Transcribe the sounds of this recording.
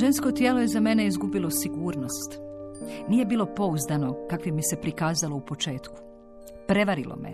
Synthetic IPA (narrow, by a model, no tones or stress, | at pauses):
ʒe̞nsko̞t̪jeːloje̞zame̞ne̞izɡubilo̞siɡuːɾno̞st̪ | niːje̞biːlˠo̞po̞uzd̪ano̞kakʋimise̞pɾikaːzaloupo̞t͡ʃe̞ːt̪ku̥ | pɾe̞ʋaɾilo̰mḛ